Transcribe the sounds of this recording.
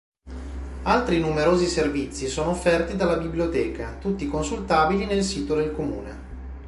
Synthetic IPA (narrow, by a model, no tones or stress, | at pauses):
alt̪ɾinumeɾoːziservit̪sːisoːnoːfːɛrt̪id̪alːabibljot̪ɛːkat̪ut̪ːikonsult̪aːbilinelsiːt̪od̪elkomuːne